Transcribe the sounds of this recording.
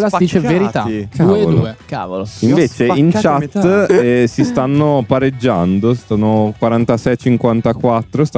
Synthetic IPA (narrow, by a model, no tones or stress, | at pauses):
lad̪it͡ʃeveɾit̪akauedol̰eka̰voloiɱveːt͡ʃeint͡ʃat̪ːɛsist̪anːopaɾed͡ʒːand̪ost̪anːokwaɾant̪asɛjt͡ʃiŋkwant̪akwat̪ːɾost̪